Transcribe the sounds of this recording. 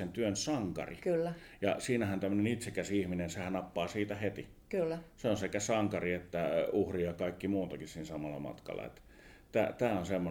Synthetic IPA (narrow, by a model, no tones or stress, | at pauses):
ent̪yønsɑŋkɑ̰rḭkylː | jɑ̰siːnæhænt̪æmˑːønenit̪sekæsiihminensehænnɑpːɑːsiːt̪æhet̪i | kylːseonsekæsɑŋkɑriet̪ːæuhrijɑkɑˑikːimuːt̪ɑkissiːnsɑmɑlːˑɑ̰mɑ̰t̪kɑ̰lːɑ̰ḛt̪ːæ̥ | t̪æ̰ːt̪æːonsemːo